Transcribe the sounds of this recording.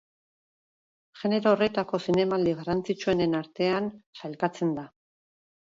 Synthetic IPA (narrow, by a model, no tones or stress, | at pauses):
ʝe̞ne̞ɾoːre̞t̪ako̞sine̞mald̪iɣarant͡sit͡ʃue̞ne̞naɾt̪e̞ansajlkat͡se̞nd̪a